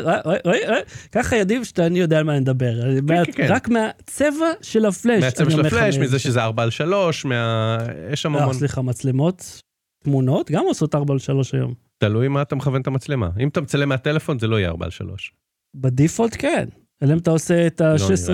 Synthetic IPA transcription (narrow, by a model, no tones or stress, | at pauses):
ojojojkaχajad̪ivʃt̪aːnijo̞d̪eaːlmanimd̪abe̞ʁameaʁakmeat͡sevaʃelaflemʃaniomeleʃmizeʃezeaʁbalʃalo̞ʃmeajɛʃamaaossliχamat͡slemo̞t̪ | tmuno̞t̪ɡamoso̞t̪aʁbalʃalo̞ʃajo̞̰m | t̪alujmaːt̪ameχavent̪amat͡slema̰imat̪amet͡salemeat̪elefo̞nzelo̞ijḛa̰ʁba̰lʃa̰lo̞̰ʃ | bed̪ifold̪ken | elemtaoseːt̪aʃes